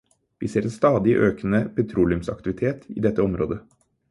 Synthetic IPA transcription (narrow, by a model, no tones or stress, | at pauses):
ʋiseːɾeːnst̪ɑːd̪ɪʔøːknəpʰɛt̪ʰɾuːlɪʉmsɑ̰k̚t̪ɪʋɪt̪ʰeːt̪ḭːd̪ɛt̪ːəɔmɾoːd̪ə